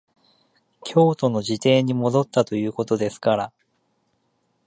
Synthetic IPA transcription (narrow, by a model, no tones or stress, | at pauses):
kʲʰo̞ːt̪o̞no̞ʑit̪e̞ːɲ̟imo̞d̪o̞t̪ːat̪o̞jɯ̟ːko̞t̪o̞d̪e̞sɨ̥kaɾa